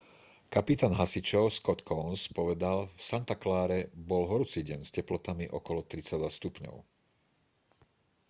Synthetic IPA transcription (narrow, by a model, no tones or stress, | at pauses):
kapit̪aːnɦasit͡ʃɔʊskɔt̪kʰɔnspɔʋɛd̪alfsant̪aklaːɾɛbɔlɦɔɾut͡siɟɛnscɛplɔt̪amiʔɔkɔlɔt̪ɾit͡sad̪ʋast̪upɲɔ̰ʊ